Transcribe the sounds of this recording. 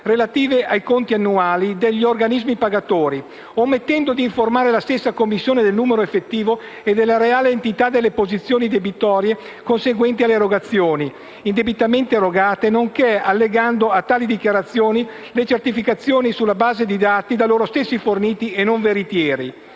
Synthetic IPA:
relat̪iːveʔajkont̪ianːuaːlid̪eʎːiorɡanizmipaɡat̪oːɾi | omːet̪ːɛnd̪od̪iːɱformaːɾelast̪esːakomːisːjoːned̪elnuːmeɾoefːet̪ːiːvo | ed̪elːaɾeaːleːnt̪it̪ad̪elːepozit̪sːjoːnid̪ebit̪ɔːɾje | konseɡwɛnt̪ialːeɾoɡat̪sːjoːni | ind̪ebit̪ament̪eɾoɡaːt̪enoŋkealːeɡand̪oat̪ːaːlid̪ikjaɾat̪sːjoːni | let͡ʃert̪ifikat̪sːjoːnisulːabaːzed̪id̪aːt̪id̪aloːɾost̪esːiforniːt̪ienoɱveɾit̪jɛːɾḭ

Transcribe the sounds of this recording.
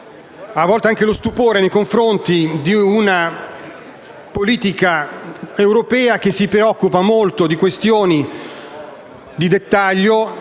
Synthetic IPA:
avːɔlt̪eaŋk̟elost̪upoːɾenejkoɱfɾont̪id̪iuna | poliːt̪ikaewɾopɛːak̟esːipɾeɔkːupamolt̪od̪ikwest̪joːni | d̪id̪et̪ːaʎːo

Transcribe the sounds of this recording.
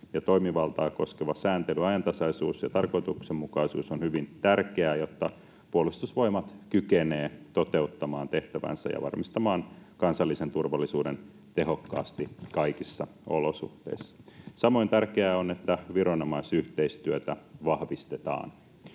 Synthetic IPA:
jɑt̪o̞ijmiʋɑlt̪ɑːko̞skeʋɑsæːnt̪elyɑjɑnt̪ɑsɑisuːsjɑt̪ɑrko̞it̪uksemmukɑisṵːsonhyʋint̪ærkeæjot̪ːɑ | puolust̪usʋo̞imɑt̪kykeneːt̪ot̪e̞ut̪ːɑmɑːnt̪e̞ht̪æʋæ̰nsæ̰jɑ̰ʋɑ̰rmist̪ɑmɑːnkɑnsɑlːisent̪urʋɑlːisuːden | t̪e̞ɦo̞kːɑ̰ːst̪ikɑikisːɑ | o̰losṵht̪ḛisːɑ̥sɑmo̞int̪ærkeæonet̪ːæʋiɾonomɑisyht̪eist̪yøt̪æʋɑhʋist̪et̪ɑ̰ːn

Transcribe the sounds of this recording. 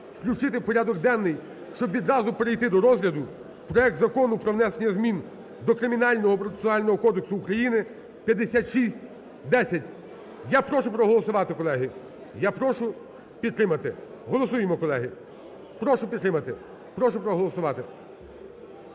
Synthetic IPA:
wklʲʊt͡ʃɪt̪ɪwpɔɾʲad̪ɔɡd̪ɛnnːɪj | ʃt͡ʃɔbʋʲid̪ɾɑzʊpeɾɪjt̪ɪd̪ɔɾɔzɦlʲɐd̪ʊ | pɾɔɛk̚t̪zɐkɔnʊpɾɔʋnɛsenʲːɐzmʲin | d̪ɔkɾɪmʲinɑlʲnɔɦɔpɾɔe̥sʊnɑlʲnɔɦɔkɔd̪eksʊːkɾɐjinɪ | pʲjɐd̪ːesʲat̪ʃisʲtʲ | d̪ɛsʲɐtʲ | japɾɔʃʊpɾɔɦɔlˠɔsʊʋɑt̪ɪkɔlˠɛɦɪ | japɾɔʃʊ | pʲid̪t̪ːɾɪmɐt̪ɪ | ɦɔlˠɔsujemɔkɔlˠɛɦɪ | pɾɔʃʊpʲid̪t̪ːɾɪmɐt̪ɪ | pɾɔʃʊpɾɔɦɔlˠɔsʊʋɑt̪ɪ

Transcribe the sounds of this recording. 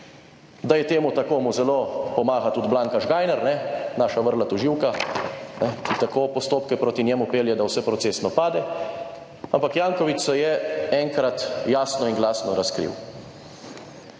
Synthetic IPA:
d̪ajɛt̪eːmut̪akoːmuzɛloːpɔmaːɣat̪ud̪blaŋkaʒɡaːjnɛɾnɛnaːʃaʋəɾlat̪uʒiwkanɛkit̪akoːpɔst̪oːpkɛpɾoːt̪inʲjɛːmupeːljɛd̪awsɛpɾɔt̪seːsnɔpaːd̪ɛ | ampakjaːŋkɔʋit͡ʃsɛjɛɛŋkɾat̪jaːsnɔiŋɡlaːsnɔɾaskɾḭw

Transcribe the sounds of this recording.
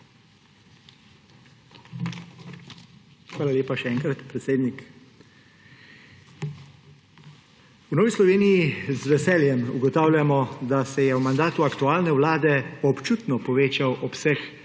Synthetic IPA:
xʋaːlalʲeːpaʃɛɛŋkɾat̪pɾɛt̪seːd̪nik | wnɔːʋislɔʋeːnijizʋɛsɛːljɛmṵɡɔt̪aːwlʲjamɔd̪asɛjɛwmand̪aːt̪uakt̪uaːlnɛwlaːd̪ɛɔpt͡ʃuːt̪nɔpɔʋeːt͡ʃawʔɔpsɛx

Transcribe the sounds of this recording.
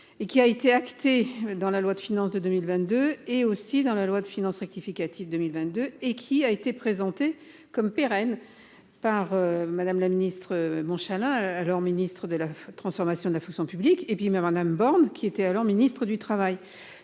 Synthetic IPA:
ekʲiaet̪eakt̪ed̪ɑ̃lalwad̪əfinɑ̃sd̪əd̪ømilvɛ̃t̪̚d̪øeosid̪ɑ̃lalwad̪əfinɑ̃sʁɛk̚t̪ifikʲat̪ʰivd̪əmilvɛ̃t̪̚d̪øekʲʰiaet̪epχezɑ̃t̪e | kɔmpeʁɛn | paʁømad̪amlaminist̪χəmɔ̃ʃalɛ̃alɔʁminist̪χəd̪əlat̪χɑ̃sfɔʁmasjɔ̃d̪əlafɔ̃ksjɔ̃pyblikepɥimamad̪ambɔʁnkʲʰiet̪ɛalɔʁminist̪χəd̪yt̪χavaj

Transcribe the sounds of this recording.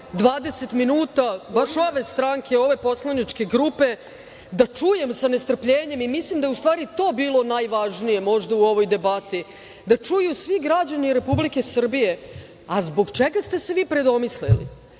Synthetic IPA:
d̪ʋaːd̪e̞se̞t̪minuːt̪abaʃo̞ʋe̞st̪ɾaŋkʰeo̞ʋe̞po̞slˠanit͡ʃke̞ɡɾupe̞ | d̪at͡ʂuje̞msane̞st̪r̩pʎeːɲe̞mimislimd̪ajeust̪ʋaːɾit̪o̞ːbiːlo̞najʋaʒnije̞mo̞ʒd̪auo̞ʋo̞jd̪e̞bat̪i | d̪at͡ʂujusʋiɡɾad͡ʑaniɾe̞publike̞sr̩bije̞ | azbo̞ɡt͡ʃeɡast̪e̞se̞ʋiːpɾe̞d̪o̞mislḭlḭ

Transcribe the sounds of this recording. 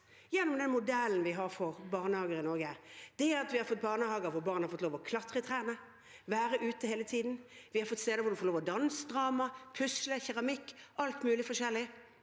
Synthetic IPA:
jɛnːɔmd̪ɛnmʊd̪ɛln̩ʋɪɦɑʁfɔʁbɑːʁnəhɑːɡəɾɪnɔɾɡəd̪̥ɛæɾɑt̪ʋɪhɑɾfɔt̪̚ːbɑːʁnəhɑːɡəɾʋʊbɑːʁnhɑɾfɔt̪loːʋɔkʰlɑt̪ʁət̪ʰʁæːnə | ʋæːɾəʔʉːt̪əheːlət̪ʰiːd̪n̩ʋɪhɑɾfɔt̪ːst̪eːd̪əʋʊɾd̪ʉfɔɾloːʋɔd̪ɑnsd̪ʁɑːmɑpʰʉsləçæʁɑmɪkːʔɑlt̪mʉːlɪfɔʂɛlːɪ

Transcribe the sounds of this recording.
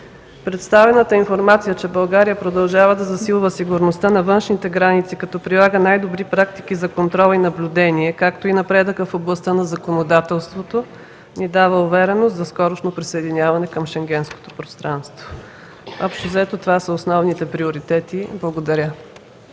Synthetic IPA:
pɾɛt̪st̪avɛnət̪əinfoɾmat̪sijət͡ʃɛbɐlˠɡaɾijəpɾod̪ɐlˠʒavəd̪ɐzɐsilˠvəsiɡʊɾnost̪anɐvɤnʃnit̪ɛɡɾanit̪sikɐt̪ɔpɾilˠaɡənajd̪obɾipɾakt̪ikizɐkont̪ɾɔlˠinɐblʲud̪ɛniɛkakt̪oinɐpɾɛd̪əkəfoblˠɐst̪ənɐzɐkonod̪at̪ɛlˠst̪vot̪o | nid̪avəʊvɛɾɛnost̪zɐskɔɾoʃnopɾisəɛd̪inʲavɐnɛkəmʃɛŋɡʲɛnsko̥t̪o̥pɾost̪ɾanst̪vo | ɔpʃt̪ozɐɛt̪ot̪ovasəosnɔvnit̪ɛpɾioɾit̪ɛt̪iblˠɐɡod̪ɐɾʲə

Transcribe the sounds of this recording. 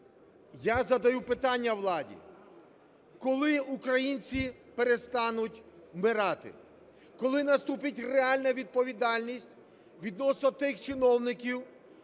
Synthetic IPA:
jazɐd̪ɐjupɪt̪ɑnʲːɐwlˠɑdʲḭ | kɔlˠɪukɾɐjinʲt͡sʲipeɾe̞st̪ɑnʊtʲmɪɾɑt̪ɪ̰ | kɔlˠɪnɐst̪upɪtʲreɑlʲnɐʋʲid̪̚pɔʋʲid̪ɑlʲnʲisʲtʲ | ʋʲid̪nɔsnɔt̪ɪxt͡ʃɪnɔwnɪkʲiw

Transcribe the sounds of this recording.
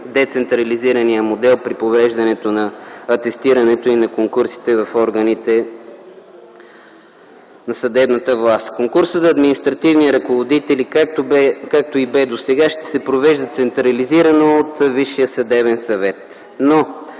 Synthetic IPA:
d̪ɛt̪sɛnt̪ɾɐliziɾɐnijəmod̪ɛlˠpɾipovɛʒd̪ɐnɛt̪onɐːt̪ɛst̪iɾɐnɛt̪oinɐkoŋkuɾsi̥t̪ɛvɐfɔɾɡənit̪ɛ | nɐsɐd̪ɛbnət̪əvlˠast̪koŋkuɾsəzɐːd̪minist̪ɾɐt̪ivniɾɐkovod̪it̪ɛlikat̪bɛkak̚t̪oibɛd̪osɛɡaʃt̪ɛ̥sɛpɾovɛʒd̪ət̪sɛnt̪ɾɐliziɾɐnoːt̪viʃijəsɐd̪ɛβɛnsɐvɛt̪ | no

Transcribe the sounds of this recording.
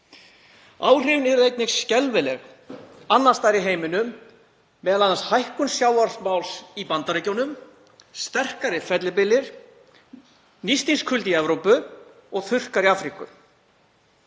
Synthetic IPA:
a̰ːwr̥ɪvnɛɾðejt̪nɪxscɛlvɪlɛɣ | anːast̪ajɾɪɦeːjmɪnʏmː | ɛːðalananshajhkʏnsjawðaɾsmawlsipant̪aɾejcownʏm | st̪ɛr̥kaɾɪfɛt̪lɪpɪlːɪɾ̥ | nist̪inskʰʏlt̪iɛvɾowpʏ | ɔɣθʏr̥kaɾiaːfɾikʏ̰

